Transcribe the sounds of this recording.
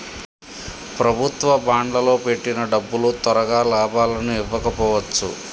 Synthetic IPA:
pɾɐbʱut̪ʋɐbaːɳɖlɐlo̞ːpe̞ʈːinɐɖɐbːulut̪ɐɾɐɡaːlaːbaːlɐnuiʋːɐkɐpɔːʋɐt͡ʃːṵ

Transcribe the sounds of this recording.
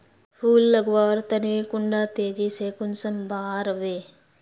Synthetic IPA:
pʰuːlːəɡʋaːɾt̪əneːkʊɳɖaːt̪eːd͡ʒiːsekʊnsəmbʱaːɾəʋeː

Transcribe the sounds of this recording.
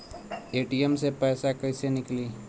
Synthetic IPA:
eːʈijemsepɛːsakəɪsenɪkliː

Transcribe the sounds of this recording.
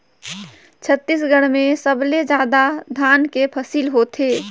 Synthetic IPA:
t͡ʃʰət̪ːisɡəɽmesəbled͡ʒaːd̪ad̪ʱaːnkepʰəsiːlɦot̪ʰeː

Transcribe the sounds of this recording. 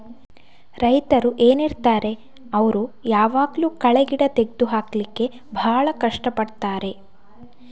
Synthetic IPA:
ɾɐjt̪ɐɾuʔe̞ːniɾt̪aːɾe̞ | ɐʋɐɾujaːʋaːɡluːkɐɭeɡiɽɐt̪e̞ɡ̚d̪uɦaːklikːe̞ | bʱaːɭɐkɐʂʈɐpɐɽt̪aːɾe̞

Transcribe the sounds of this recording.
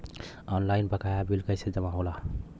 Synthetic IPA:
ɔnlajnpəkajabʱilkəjsed͡ʒəmãɦola

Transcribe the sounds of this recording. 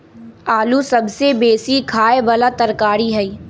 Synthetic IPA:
aːlusɐbsebeːsikʰaːebɐlat̪ɐɾkaːɾiɦɛiː

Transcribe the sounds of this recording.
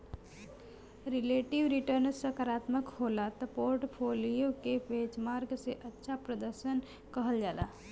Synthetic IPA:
ɾileʈiʋɾiʈəɾnsəkaɾaːt̪məkholat̪ɔpoɾʈpʰolijokepet͡ʃmaɾɡseʔətːʃʰapɾəd̪əɾʃən | kəɦəld͡ʒaːla

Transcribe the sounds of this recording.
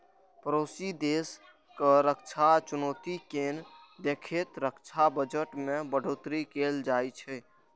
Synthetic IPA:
pəɾoːsid̪eːs | kəɾəkt͡ʃʰat͡ʃʊnoːt̪iken | d̪eːkʰet̪ɾəkt͡ʃʰabəd͡ʒəʈmẽbəɖʱoːt̪ɾikeld͡ʒaːit͡ʃʰɛ

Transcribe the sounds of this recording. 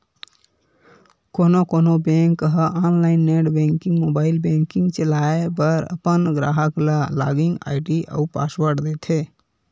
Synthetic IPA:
konokonobẽŋkːəɦəʔanlaɪnːeɖbeŋkĩŋɡmobailbẽŋkiŋɡt͡ʃəlaebəɾə̰pənɡɾa̰ɦəkləla̰ɡĩŋɡa̰jʈiʔə̰upa̰swəɾʈd̪ɛt̪ʰe

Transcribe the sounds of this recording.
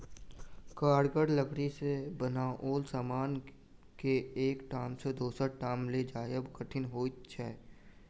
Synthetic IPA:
kaːɽɡəɽləɡɽisebənaʔoːlsaːmaːn | keːkʈaːmsed̪oːsəʈaːmled͡ʒaːjəbkəʈʰɪnɦoːt͡ʃʰɛː

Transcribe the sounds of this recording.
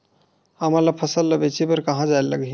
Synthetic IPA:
həmalapʰəsəlːəbet͡ʃipəɾkəɦãd͡ʒaelləɡi

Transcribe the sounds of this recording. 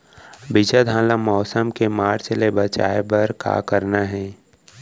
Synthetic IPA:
bɪd͡ʒad̪ʱãːlamɔːsəmkemaːɾt͡ʃlebət͡ʃa̰ːebɐɾka̰ːkəɾnaɦɛ̃ː

